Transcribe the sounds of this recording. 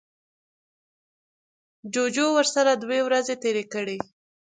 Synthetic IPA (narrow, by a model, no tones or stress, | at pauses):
d͡ʒod͡ʒowəɾsaɾad̪wewɾazet̪eɾekəɽi